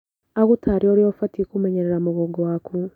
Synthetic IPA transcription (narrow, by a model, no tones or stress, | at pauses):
aɣutʰaɾioɾjofatikumeɲeɾeɾamuɣoɡwaku